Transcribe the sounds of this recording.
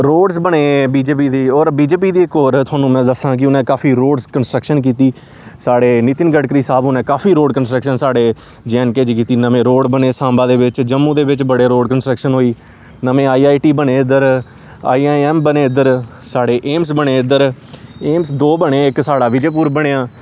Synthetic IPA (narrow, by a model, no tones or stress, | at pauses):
ɾoːɖsbəɽeːbiːd͡ʒeːp̬iːd̪eːɔːɾbiːd͡ʒeːpiːd̪iːɪkoːɾt̪ʰʊaːnũːmɛ̃ːd̪əsãːk̬ɪʊnɛ̃ːkaːfʰiːɾoːɖskənsʈɾəkʃənk̬iːt̪iː | saːɽeːniːt̪ɪnɡəɽkɾiːsaːbʊnɛ̃ːkaːfʰiːɾoːɖkənsʈɾəkʃənsaːɽeː | d͡ʒɛːnkeːd͡ʒkiːt̪iːnəmẽːɾoːɖbəneːsãːmbãːd̪eːʋɪt͡ʃd͡ʒəmːũːd̪eːʋɪt͡ʃbəɽeːɾoːɖkənsʈɾəkʃənɦoːiː | nəmẽːaːiːaːiʈiːbəɽeːɪd̪əɾ | a̰ːiːaɛːmbəneːɪd̪əɾsaːɽeːʔeːmsbəɽ̃eːɪd̪əɾeːmsd̪oːbəɽeːɪksaːɽaːʋɪd͡ʒeːp̬uːɾbəɽ̃eːaː